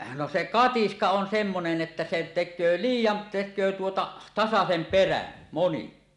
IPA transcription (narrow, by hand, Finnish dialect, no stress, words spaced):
no se kɑtiskɑ on semːonen ʔetːæ se tekˑøː liːjːɑn tekˑøː tuotɑ tɑsɑsem peræn moni